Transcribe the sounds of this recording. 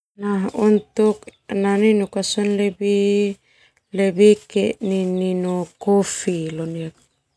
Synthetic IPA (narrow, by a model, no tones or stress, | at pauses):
naɦunt̪uknaninukasɔnlebi | lebikḛnininokofiloniak̚